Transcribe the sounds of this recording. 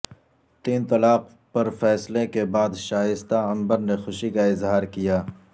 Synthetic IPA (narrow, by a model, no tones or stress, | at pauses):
t̪iːnt̪ɐlaːq | pɐɾfɛːslekebaːd̪ʃaːjɪst̪aɐ̃mbəɾnexʊʃikaɪzɦaːɾkijaː